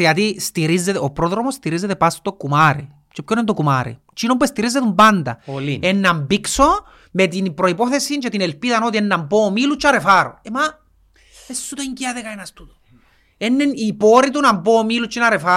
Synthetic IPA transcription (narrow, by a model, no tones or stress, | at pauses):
iat̪ist̪iɾizːet̪opɾoðɾomost̪iɾizːet̪epast̪o̥t̪okːumaɾe | t͡ʃepkonent̪okumaɾḛ | t͡ʃinomp̬uest̪iɾizːet̪umband̪a̰lienːambikso | met̪̬inipɾoipoθesint͡ʃet̪inelpiðanot̪ienːampomilut͡ʃːaɾefaɾo̰ema | esːut̪oɲciaðekaenast̪ut̪o̥ | enːenipoɾit̪̬unampoːmilut͡ʃːinaɾefa